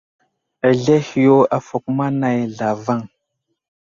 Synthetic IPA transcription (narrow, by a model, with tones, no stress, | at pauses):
a˨ɮe˦hi˨jo˦a˨fo˨kma˦na˨jɮa˨va˦˨ŋ